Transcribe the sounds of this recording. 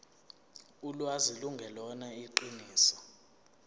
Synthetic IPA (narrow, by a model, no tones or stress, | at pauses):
ulwaziluŋɡʱɛlɔnaiǃiniːsḁ